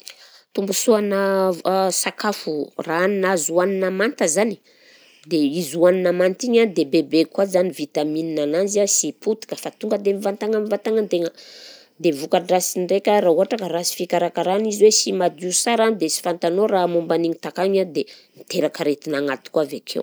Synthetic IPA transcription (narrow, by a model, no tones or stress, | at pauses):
t̪umbusuanə | sakafuraaninazuaninamant̪əzani̥ | d̪eizuaninamant̪iɲad̪ebebekwazanivit̪amininanand͡ʒiasiput̪i̥kəfat̪uŋɡəd̪emivant̪aŋamivant̪aŋat̪eŋə | d̪evukaɖ͡ʐasinrekʲaɾauɦaʈ͡ʂakəɾasi̥fikʲaɾakaɾaniziwesimad̪usaɾand̪esi̥fant̪anoramumbaniɲit̪akaɲad̪enit̪eɾakəɾet̪inaŋat̪i̥kuavekʰḛw